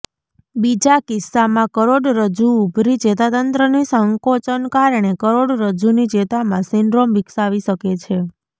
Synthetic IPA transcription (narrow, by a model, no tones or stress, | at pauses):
bid͡ʒakɪsːamãkəɾoɽɾəd͡ʒuːbʱɾid͡ʒet̪at̪ənt̪ɾənisəŋkot͡ʃənkaɾɳ̃ekəɾoɽɾəd͡ʒunid͡ʒet̪amãsɪɳɖɾomʋiksaʋiʃəket͡ʃʰe